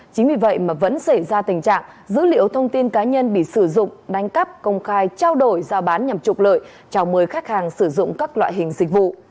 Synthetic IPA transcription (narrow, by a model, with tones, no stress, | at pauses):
t͡ɕï˨˦ŋ̟vi˨˩və̰˧˨jmaː˨˩və̰˧˥nsə˧˩jzaː˧t̪ï˨˩ŋ̟t͡ɕa̰ː˧˨ŋ | zɨ̰˧˥lḭ˧˨əwt̪ʰə˧wŋ͡mt̪i˧nkaː˨˦ɲə˧nɓḭ˧˨sɨ˧˩zʊ̰˧˨ŋ͡mɗa˨˦jŋ̟kə˦˥p̚kə˧wŋ͡mxaː˧jt͡ɕaː˧wɗo˧˩jzaː˧wɓaː˨˦nɲa˨˩mt͡ɕʊ˨˩k͡p̚lə̰ː˧˨j | t͡ɕa˧˩wməː˨˦jxaː˦˥k̚haː˨˩ŋsɨ˧˩zʊ̰˧˨ŋ͡mkaː˦˥k̚lwa̰ː˧˨jɦï˨˩ŋ̟zï˨˩k̚vṵ˧˨ʔ